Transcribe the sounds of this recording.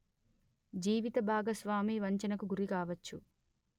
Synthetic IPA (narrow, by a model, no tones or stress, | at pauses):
d͡ʒiːʋit̪ɐbʱaːɡɐsʋaːmiːʋɐɲt͡ʃɐnɐkuɡuɾikaːʋɐt͡ʃːu